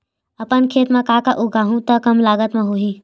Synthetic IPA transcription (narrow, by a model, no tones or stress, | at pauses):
əpənkʰet̪mekakəʔuɡaɦũt̪əkəmlaɡət̪meɦoɦi